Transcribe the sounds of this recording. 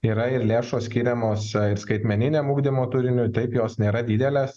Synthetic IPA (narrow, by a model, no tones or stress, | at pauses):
iːɾɐɪɾlʲeːʃoːsʲkʲiːɾʲɛmoːsɪɾskɐɪt̪ʲmʲɛnʲɪnʲeːmuːɡd̪ʲɪmoːt̪ʊɾʲɪnʲʊt̪ɐɪpjoːsnʲeːɾɐd̪ʲɪd̪ʲɛlʲeːs